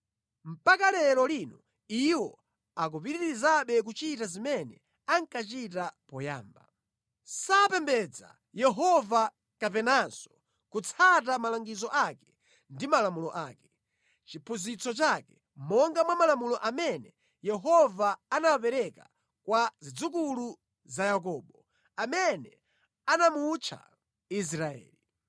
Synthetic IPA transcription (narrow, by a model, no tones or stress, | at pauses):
m̩pakalɛɾɔlinɔ | iwɔ | ak̬upiɾiɾɾizaɓɛk̬ut͡ʃitazimɛnɛ̰ | aŋkat͡ʃitapɔja̰ːmba | sapɛmbɛd͡za̰ | jɛɦɔva | kap̬ɛnansɔ̥ | kut͡sʰat̬amalaŋɡizɔʔakɛ̥ | ndimalamulɔʔaːkɛ | t͡ʃipʰuzit͡sɔt͡ʃakɛ | mɔŋɡamwamalamulɔʔamɛnɛ | jɛɦɔvaanawapɛɾɛka | kwazid͡zukulu | zajak̬ɔːɓɔ | amɛnɛ | anamut͡ʃʰa̰ | is̬ɾaɛ̰ːli